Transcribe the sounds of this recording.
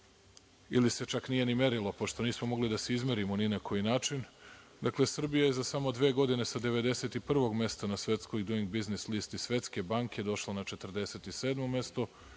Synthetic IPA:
ilise̞t͡ʃaknije̞nime̞ɾilopo̞ʃt̪o̞niːsmomo̞ɡlid̪aseizmeɾimo̞ninakʰo̞jinaːt͡ʃin | d̪aklˠe̞sr̩bijaje̞zasamo̞d̪ʋe̞ːɡo̞d̪ine̞sad̪eʋe̞d̪e̞seːt̪ipr̩ʋo̞ɡme̞st̪anasʋe̞t̪skojd̪uiŋɡ̚biznislist̪isʋe̞t̪ske̞baŋked̪o̞ʃlanat͡ʃe̞t̪r̩d̪e̞se̞t̪iseːd̪mo̞mje̞st̪o̞

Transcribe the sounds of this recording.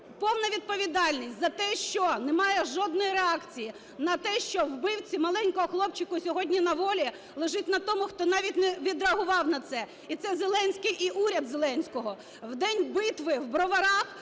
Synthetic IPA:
pɔwnɐʋʲid̪̚pɔʋʲid̪ɑlʲnʲisʲtʲzɐt̪ɛʃt͡ʃɔnɛmɑjɛʒɔd̪nɔjiɾeɑkt͡sʲiji | nɐt̪ɛʃt͡ʃɔwbɪwt͡sʲimɐlˠɛnʲkɔɦɔxlˠɔpt͡ʃɪkʊsʲɔɦɔdʲnʲinɐʋɔlʲi | lˠeʒɪtʲnɐt̪ɔmʊxt̪ɔnɑʋʲit̚ʲnɛʋʲid̪ɾɐɐɦʊʋɑwnɐt̪sɛ | it̪sɛzelˠɛnʲsʲkɪjʔiʔuɾʲɐd̪zelˠɛnʲsʲkɔɦɔ | wd̪ɛnʲbɪt̪ʋɪwbɾɔʋɐɾɑx

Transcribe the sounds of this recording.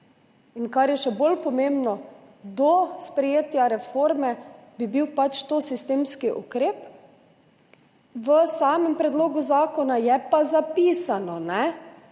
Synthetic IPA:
inkaɾjɛʃɛbolpɔmembnɔ | d̪ɔspɾɛjeːt̪jaɾɛfoɾmɛbibiwpat͡ʃt̪osist̪eːmskiʔukɾeːp | ʋəsaːmɛmpɾɛd̪loːɡuzaːkɔnajɛpazapiːsanɔnɛ

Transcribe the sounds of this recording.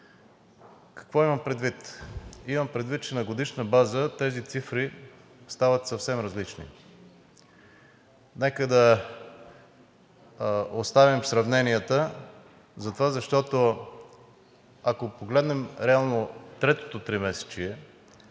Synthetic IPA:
kɐ̥kvɔimɐmpɾɛd̪vit̪imɐmpɾɛd̪vit̪̚t͡ʃɛnɐɡod̪iʃnəbazət̪ɛzit̪sifɾi | st̪avɐt̪sɐfsɛmɾɐzlit͡ʃnḭ | nɛkəd̪ɐ | ost̪avimfsɾɐvnɛniət̪ə | zɐt̪ovazɐʃt̪ɔt̪o | akopoɡlɛd̪nɛmɾɛalˠnot̪ɾɛt̪o̥t̪ot̪ɾimɛsɛ̥t͡ʃiɛ

